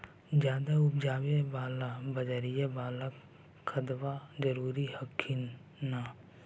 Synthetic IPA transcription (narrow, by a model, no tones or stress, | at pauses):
d͡ʒjaːd̪aʊp̚d͡ʒaːwebaːlabɐd͡ʒəɾijebaːlak | kʰːəd̪ʋad͡ʒɐɾuːɾihəkʰːin | na